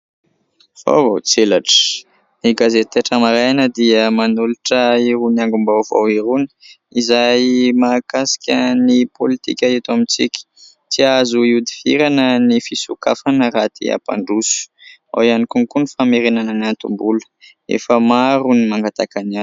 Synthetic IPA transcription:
v̥o̰vo̰wt͡selaʈ͡ʂə̥ | niɡazet̪eʈ͡ʂəmaɾajanəd̪iəmanuluʈ͡ʂəiɾuniaŋɡumbawva̰wiɾuni̥ | izajmakasi̥kʲənipolit̪ikʲaet̪amit͡sikʲi̥ | t͡siazuiud̪iviɾanənifisukafanəɾat̪ʰḭa̰pa̰ɳɖ͡ʐusu̥a̰wianikunkunifameɾenanənant̪umbulə̥ | ḛfəmaɾunimaŋɡat̪akanan

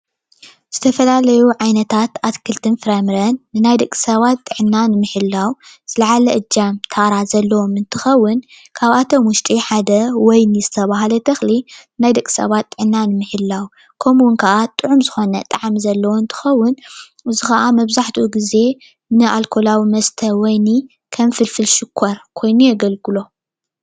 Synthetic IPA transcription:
z̥ɨt̪ʰɐfɐlalɐjuʕajnɐt̪ʰat̪at̪kʰɨlt̪ʰɨnfɨɾamɾɐnːɨnajd̪ɐkʼi̥sɐβat̪ʼːɨʕɨnːanɨmɨħɨlːawz̥ɨlɐʕalɐʔɨd͡ʒamt̪ʰaɾazɐlːɐwomɨnt̪ʰɨxɐwːʊn | kʰaβat̪ʰo̞mwʊʃt̪ʼiħad̪ɐwɔjnizɨt̪ʰɐβaɦalɐt̪ʰɐxlinajd̪ɐkʼːi̥sɐ̰βat̪ʼːɨʕnːanɨmɨħɨlːawu | kʰɐmnkʰɐʔat̪ʼɨʕumzɨxo̞nɐ̰t̪ʼaʕamizɐlːɐwoɨnt̪ʰɨ̥xɐwːʊn | ɨzɨxɐʔamɐβzaħt̪ʰʔuɡize̞ | nɨʔalkʰo̞lawimɐst̪ʰɐwɔjni | kʰɐmfɨlfɨlʃɨkʰːoɾkʰo̞jnujɛɡɐlɡɨlo̞

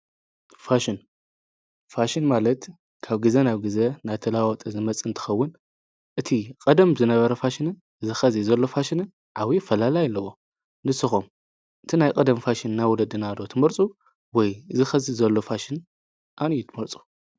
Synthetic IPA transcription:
faʃɪn | faʃɪnmalɐt̪ | kʰaβɡɨzenaβɡɨzenajt̪ʰɐlawɔt̪ʼɐzɨmɐt͡sʼɨnt̪ʰɨ̥xɐwːʊn | ʔɨt̪ʰikʼɐd̪ɐmzɨnɐβɐɾɐfaʃɪnɨn | zɨxɐzizɐlːo̞faʃɪnɨn | ʕawifɐlalajlːɐwo | nɨsːɨxom | ʔɨt̪ʰinajkʼɐd̪ɐmfaʃɪnnajwɔlɐd̪ɨnado̞t̪ʰɨmɐɾt͡sʼu | wɔjzɨxɐzizɐlːo̞faʃɪn | ʔanijut̪ʰɨmɐɾt͡sʼu̥

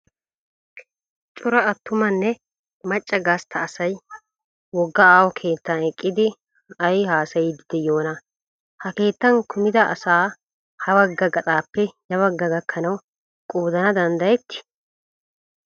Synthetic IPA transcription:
t͡ʃʼʊɾɐɐt̪ːʊmɐnːɛ | mɐt͡ʃʼːɐɡaːst̪ʰɐːsɐj | wɔɡːɐaːwɔkʰe̞ːt̪ːanɛkʼːɪd̪ɪ | ɐjhaːsɐjɪd̪ɪd̪ɛjo̞ːnɐ | hɐke̞ːt̪ːɐŋkʊmɪd̪ɐʔːsaː | hɐwɐɡːɐɡɐt̪ʼaːpːɛjɐβɐɡːɐɡɐkʰːɐnɐw | kʼuːd̪ɐnɐd̪ɐnd̪ɐjɛt̪ːɪ̥

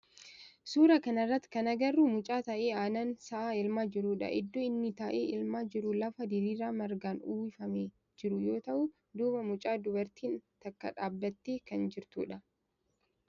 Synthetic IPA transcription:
suːɾɐkɐnɐrːɐt̪ːkɐnɐɡɐrːumʊt͡ʃʼaːt̪ɐʔeːaːnɐnsɐʔaːɪlmaːd͡ʒɪɾuːᶑɐ̰ʔɪd̪ːɔɪnːɪt̪ɐʔeːɪlmaːd͡ʒɪɾʊlɐfɐd̪ɪɾiːɾaːmɐɾɡaːnuːwɪfɐmeː | d͡ʒɪɾʊjo̞ːt̪ɐʔʊ | d̪uːbɐmʊt͡ʃʼaːd̪ʊbɐɾt̪iːnt̪ɐkːɐ̰ᶑaːbːɐt̪ːeːkɐnd͡ʒɪɾt̪ṵːᶑɐ

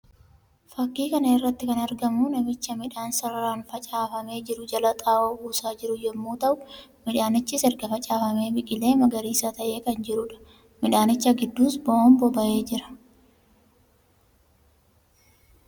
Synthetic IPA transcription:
fɐkːiːkɐnɐɪrːɐt̪ːɪkɐnɐɾɡɐmʊnɐmɪt͡ʃːɐmɪᶑaːnsɐɾɐɾaːnfɐt͡ʃʼaːfɐme̞ːd͡ʒɪɾʊd͡ʒɐlɐt̪ʼaːʔoːuːsaːd͡ʒɪɾʊjɛmːuːt̪ɐʔʊmɪᶑaːnɪt͡ʃːɪsɛɾɡɐfɐt͡ʃʼaːfɐme̞ːbɪkʼɪle̞ːmɐɡɐɾiːsɐt̪ɐʔe̞ːkɐnd͡ʒɪɾʊᶑɐ̥ | mɪᶑaːnɪt͡ʃːɐɡɪd̪ːuːsbɐoːmbɔbɐʔe̞ːd͡ʒɪɾɐ̥

